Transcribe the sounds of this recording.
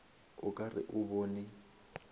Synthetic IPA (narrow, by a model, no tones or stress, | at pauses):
ʊkʼarɪ̰ʔʊboːnɪ